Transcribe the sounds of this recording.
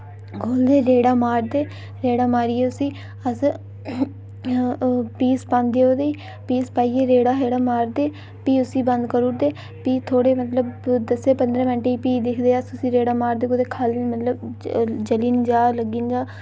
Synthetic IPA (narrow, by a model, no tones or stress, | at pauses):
kʰoːld̪eːɾeːɽaːmaːɾd̪eː | ɾeːɽaːmaːɾiːeːʊsiː | əs | piːspãːnd̪eːoːd̪eː | piːspaːiːeːɾeːɽaːɦeːɽaːmaːɾd̪eː | piːʊsiːbə̃nd̪kəɾuːd̪eː | piːt̪ʰoːɽeːmət̪ləbd̪əseːpənd̪ɾə̃ːʋɛ̃ːɳʈeːiːpiːd̪ɪkʰd̪eːəst̪ʊsiːɾeːɽaːmaːɾd̪eːkʊd̪eːkʰalmət̪ləbd͡ʒəliːnd͡ʒaːləɡiːnd͡ʒaː